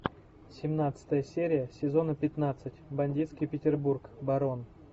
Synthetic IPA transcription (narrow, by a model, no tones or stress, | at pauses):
sʲɪmnat̪sɨ̥t̪əjəsʲeɾʲɪjəsʲɪzo̞nəpʲɪt̪nat̪sɨtʲbɐnʲdʲit̪skʲɪjpʲɪtʲɪrburkbɐɾo̞n